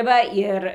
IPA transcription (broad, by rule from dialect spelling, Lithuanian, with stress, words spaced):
ˈʋɐ ɪr